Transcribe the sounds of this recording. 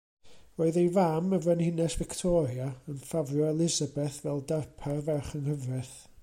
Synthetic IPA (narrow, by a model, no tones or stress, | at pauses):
roːɨðejvaməvɛnhɪnɛsvɪktʰɔɾjaənfavrjɔɛlˠɪzabɛθvɛlˠdarpʰarvɛrχənhəvrɛθ